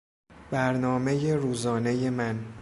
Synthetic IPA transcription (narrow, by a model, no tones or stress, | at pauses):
b̥æɾnɒːme̞jeɾuːzɒːne̞je̞mæn